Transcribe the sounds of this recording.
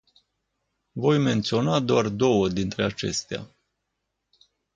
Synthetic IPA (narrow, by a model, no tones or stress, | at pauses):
vo̞jme̞nt̪sio̞nad̪oard̪o̞wəd̪int̪ɾe̞at͡ʃe̞̰st̪ea̰